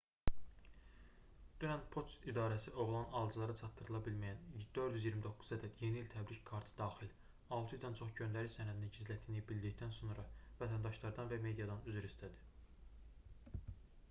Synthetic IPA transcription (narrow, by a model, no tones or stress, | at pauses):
d̪̥ynænpʰo̞sid̪ɑːɾæsiʔo̞ʁlˠɑnɑlˠd͡ʒɯlˠɑɾɑt͡ʃʰɑt̪ːɯɾɯlˠɑbilmæjænd̪̥øɾd̪yzijiɾmid̪o̞kʰːu̥zæd̪æd̪je̞niːlʲt̪ʰæbɾickʰɑɾt̪ʰɯ̥d̪ɑːxil | ɑlˠt̪ʰɯjd̪ɑnt͡ʃʰo̞χɟø̞nd̪æɾiçsænæd̪ininɟizlæt̪ʰːinibild̪içd̪ænso̞nɾɑvæt̪ʰænd̪ɑʃlˠɑɾd̪ɑnvæme̞d̪ijɑd̪ɑnyzyɾist̪ʰæd̪i̥